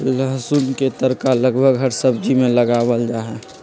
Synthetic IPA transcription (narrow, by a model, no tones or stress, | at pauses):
ləɦsunket̪əɾkaləɡbʱəɡɦəɾsəbd͡ʒimẽləɡaːwəld͡ʒaɦɛ